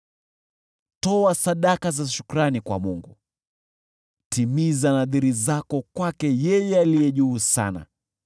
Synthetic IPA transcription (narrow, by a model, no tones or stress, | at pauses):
tɔasaɗakazaʃu̥kuɾanikwa̰muŋɡu | timizanaðiɾizakɔkwakɛjɛjɛalijɛʄuːsa̰na̰